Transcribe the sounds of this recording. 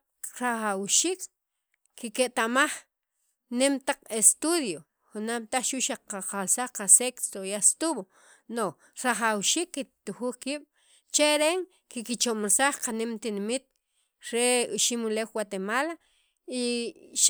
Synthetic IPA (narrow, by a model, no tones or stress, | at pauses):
ɾaχawʃiːkː | ikeʔt̪amaχ | nemt̪aq͡χest̪uðjo | χunamt̪aχʃuʔʃaqaqalsaχqasekst̪oiast̪uɓo | no | ɾaχawʃiːkːit̪uxuːχkiːɓ̥ | t͡ʃeɾeŋ | kikit͡ʃomɾsaχqanemt̪inimit̪̚ | ɾeuʃimulewwat̪emaːla | iʃ